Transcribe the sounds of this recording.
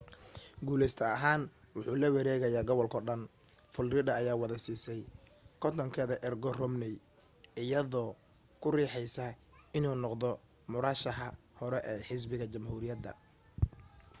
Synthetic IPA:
ɡuːlɛjst̪ʰɐɐɦaːn | wʊħuːlɐwɛɾɛːɣɐjaːɡɔβɔlkʰɔɖɐn | fʊlrɪdɐːjaːwɑðɐsiːsɛjkʰɔt̪ʰɔŋkʰɛːðɐʔɛrɡɔrɔmnɛj | ɪjɐðɔː | kʰʊriːħɛjsɐɪnuːnɔqðɔ | mʊɾaːʃɐɦɐ | hɔɾɛʔɛːħɪs̬bɪɣɐt͡ʃɐmhuːɾɪjɐd̪ɐ̰

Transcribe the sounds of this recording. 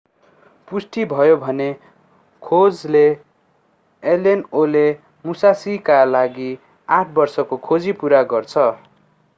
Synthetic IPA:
pusʈibʱʌjobʱʌne | kʰod͡zle | lenole | musasikalaɡi | aʈʰbʌrsʌkokʰod͡zipuɾaɡʌrt͡sʰʌ

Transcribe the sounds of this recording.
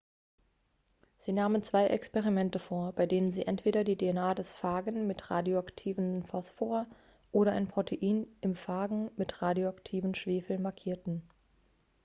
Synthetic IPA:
z̥iːnaːmənt͡sv̥aɪʔɛ̰kspɛʁimɛntəfoːɐbaɪdeːnənziːʔɛntv̥eːɾɐdiːdeɛnaːdɛsfaːɡənmɪtʁaːdjoaktʰiːvənfɔsfoːɐ | ʔoːɾɐʔaɪnpʁ̥otʰeʔiːnʔɪmfaːɡŋ̩mɪtʁaːdjoaktʰiːvən̩ʃv̥eːfl̩nmaɐkʰiːɐtn̩

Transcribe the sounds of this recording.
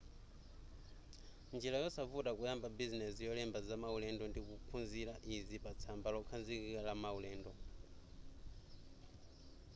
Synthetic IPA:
nd͡ʒilajɔsafutʼakujambabizinɛsijɔlɛmbazamaulɛndɔndikupʰunziɾaʔizipat͡sʰambalɔkʰanzikikalamaulɛːndɔ

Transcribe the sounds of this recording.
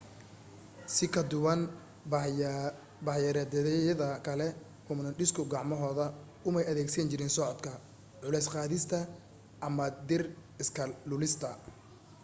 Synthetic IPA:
sɪkʰɐd̪ʊwɐn | bɐħjɐɾɐd̪ɛðɛjɐðɐkʰɐlɛ | hʊmnɐɖɪskʰʊɡɑʕmɔɦɔːðɐ | ʊmɛjɐðɛːɡsɐnt͡ʃɪɾɪnsɔʕɔd̪kʰɐ | ʕʊlɛjsqɑːðɪst̪ʰɐ | ʔɐmɐd̪ɪrɪskʰɐlʊlɪst̪ʰɐ

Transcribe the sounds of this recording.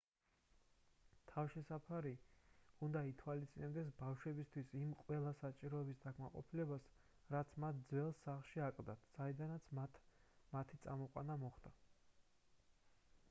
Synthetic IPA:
t̪ʰavʃɛsapʰaɾiund̪ait̪ʰwalist̪ʼḭnɛbd̪ɛs̬bafʃwɛbist̪ʰwisimqʼwɛlˠasat͡ʃʼiɾɔɛbisd̪akʰmaqʼɔ̰pʰilɛbas | ɾat̪sʰmat̪̚ʰd̪zwɛlˠsːaχlˠʃiakʼld̪at̪ʰsaid̪anat̪sʰat̪mat̪ʰit̪sʼa̰mɔqʼwa̰namɔχd̪a

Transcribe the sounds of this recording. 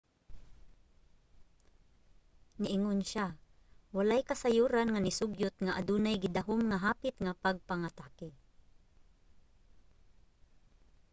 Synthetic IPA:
nɪʔɪŋonʃa | walajkasajuːɾanŋanɪsʊɡjʊt̪̚ŋaʔad̪uːnajɡɪd̪aɦʊmŋaɦaːpɪt̪ŋapaɡ̚paŋat̪aːkɪ

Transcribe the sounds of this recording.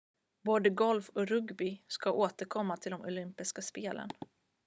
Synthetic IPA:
boːd̪əɡɔlfɔɾɵɡbɪskaʔoːt̪əɾkʰɔmːat̪ʰɪld̪ɔmʔʊ̰lʏmpɪskaspeːlə̰n

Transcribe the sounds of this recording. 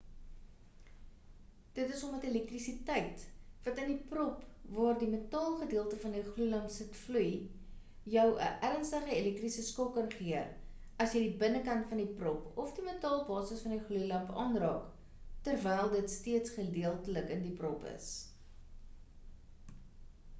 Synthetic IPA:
d̥ətəsɔmvɐtelɛk̚trisitɛjtvɐtəndiprɔpvɑːrdimətɑːlˠχədiəlˠtəfɐndiχlujlɐmpsətfluj | jœwə̰ʔæɾənstəχəelɛk̚trisəskɔkːɐnχiər | ɐsjədibənəkɐntfɐndiprɔpɔfdimətɑlˠbɑːsəsfɐndiχlujlɐmpɑːnrɑːk | tərvɛjlˠdətstiətsχədiəlˠtələkəndiprɔpə̰s

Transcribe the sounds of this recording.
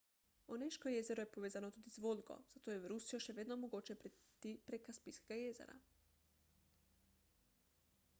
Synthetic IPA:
oneʃkoje̞ze̞ɾujepo̞ʋeːzanot̪ud̪izʋolʲɡo̰z̥at̪oːjeʋɾusijoʃeʋed̪nomoɡot͡ɕepɾt̪ipɾekaspiskeɡajezḛɾa̰

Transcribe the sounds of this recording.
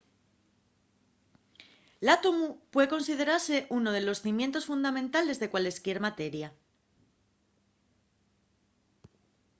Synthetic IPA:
lat̪omupwe̞ðeko̞nsiðe̞ɾaɾse̞ʔuno̞ðe̞lo̞sθimje̞nt̪o̞sfund̪amẽ̞nt̪ale̞zðe̞kwale̞skje̞ɾmat̪e̞ɾja

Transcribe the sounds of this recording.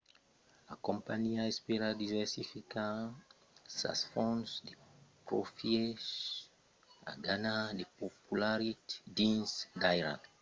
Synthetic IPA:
akɔ̃mpaniaɛspeɾadivɛsifika | sa̰sfɔ̃nsdepɾofiɛʃ | a̰ɡanadepopulaɾitdĩnsdajɾa̰k

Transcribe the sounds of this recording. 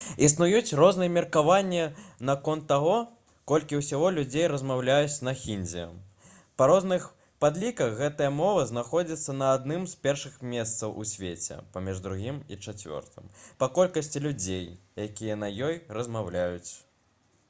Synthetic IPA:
isnujut͡sʲrɔznɨjɛmʲirkavanʲːinakɔnt̪ːaɣɔ | kɔlʲkʲiwsʲaɣɔlʲud͡zʲejɾɐzmawlʲajut͡sʲnɐxʲinʲd͡zʲijɐ̰ | pɐɾɔznɨx | pad̪lʲikɐxɣɛt̪ɨjɐmɔvɨznaxɔd͡zʲit̪sːɐnɐːd̪nɨmspʲɛrʂɨxmʲɛst̪sɐwʔṵsʲvʲet͡sʲɛ̰pamʲiʐd̪ɾuɣʲimit͡ʂat͡sʲvʲɔ̰rt̪ɨ̰mpɐkɔlʲkɐsʲt͡sʲilʲud͡zʲejjakʲijɐnɐjɔjrɐzmawlʲajut͡sʲ

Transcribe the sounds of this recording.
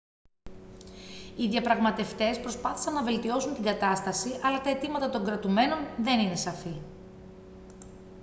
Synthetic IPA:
iðʝɐpɾɐɣmɐt̪e̞ft̪e̞spɾo̞spɐθi̥sɐnːɐve̞lt̪io̞sunt̪iŋɡɐt̪ɐst̪ɐsiʔɐlɐt̪ɐe̞t̪imɐt̪ɐt̪o̞ŋɡɾɐt̪ume̞no̞nðe̞nine̞sɐfi

